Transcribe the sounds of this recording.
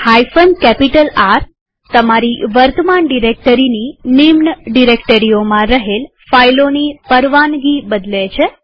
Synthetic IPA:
hajfənkɛpiʈəlaɾ | t̪ːəmaɾiʋəɾt̪əmaɳɖiɾek̚ʈəɾininimnəɖiɾekʈəɾiomãɾəɦel | fajlonipəɾʋanɡibəd̪let͡ʃʰe

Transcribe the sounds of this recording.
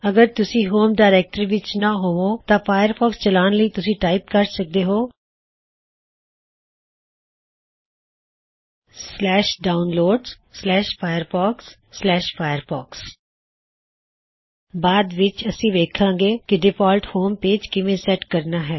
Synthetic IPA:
əɡəɾt̪ʊsĩːɦoːmɖaːɾɛːk̚ʈəɾʋɪt͡ʃnãːɦoːʋoːt̪ãːpʰaːjəɾpɔːkst͡ʃəlaːnləiːt̪ʊsĩːʈaːip̚kəɾsək̚d̪eːɦoː | slɛːʃɖaːʊnloːɖs | sːlɛːʃpʰaːjəɾbɔːksː | lɛːʃpʰaːjəɾbɔːks | baːd̪ʋɪt͡ʃəsĩːʋeːkʰãːɡeːkɪɖɪpʰaːlʈhoːmpeːd͡ʒkɪʋẽːsɛʈkəɾnaːɦɛː

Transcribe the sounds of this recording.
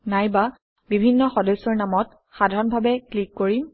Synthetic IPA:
najba | bibʱinːɔxɔdesɔɹnamɔt | xadʱaɹɔnbʱabɛklikːoɹim

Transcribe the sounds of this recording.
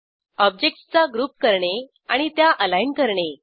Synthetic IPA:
ɔb̚d͡ʑek̚ʈst͡saɡɾuːp̚kəɾɳe | aɽ̃it̪jaʔəlainkəɾɳe

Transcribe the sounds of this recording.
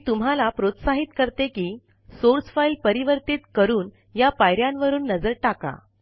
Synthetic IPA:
t̪um̤ɦalapɾot̪saɦit̪kəɾt̪ekiː | soɾsfailpəɾiʋəɾt̪iːt̪kəɾuːn | japajɾjãnʋəɾuːnːəd͡zəɾʈaka̰

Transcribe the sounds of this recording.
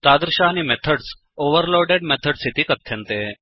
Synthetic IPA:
t̪ad̪ɾəɕaːñimɛt̪ʰəɽs | oʋəɾloɾɖeɖmɛt̪ʰəɽsʰit̪iːkət̪ʰːjent̪e

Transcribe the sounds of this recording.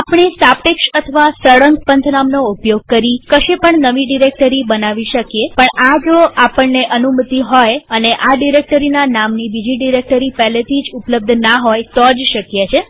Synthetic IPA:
apɳ̃isapʈeksət̪ʰəʋasəɽəŋɡpənt̪ʰnamnoupjoɡ̚kəɾikəʃepəɳnəʋiɖiɾek̚ʈəɾibənaʋiʃəkjepəɳad͡ʒoapəɳːeʔənumət̪iɦɔjəneʔaɖiɾek̚ʈəɾinanamnibid͡ʒiɖiɾek̚ʈəɾipɛɦlet̪ʰid͡ʒupləb̚d̪ʱnaɦojt̪od͡ʒʃəkjet͡ʃʰe

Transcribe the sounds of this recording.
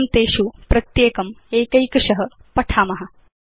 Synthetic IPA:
mt̪eːʃupɾɐt̪jeːkɐmeːkɐjkɐʂɐɦɐ̆ | pɐʈʰaːmɐɦɐ̆

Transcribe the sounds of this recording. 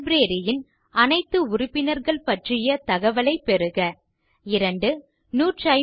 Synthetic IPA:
bɾeːɾɪjɪn | ɐnɐɪt̪ːɯʊɾʊpːɪnɐɾɣɐɭpɐʈrɪjɐt̪ɐɣɐʋɐlɐɪpːɛɾɯɣɐ | ɪɾɐɳɖɯ | nuːʈrɐ

